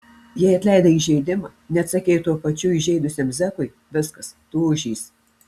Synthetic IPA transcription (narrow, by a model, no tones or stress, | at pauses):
jiɛɪɐt̪ʲlʲæɪd̪ɐiːʒʲɛɪd̪ʲɪmɑːnʲɛɐt̪sʲɐkʲeːt̪uɔpɐt͡ʃʲuɪʒʲɛɪd̪ʊsʲeːmzʲɛkʊɪ | ʋʲɪskɐst̪uːʊʒʲiːs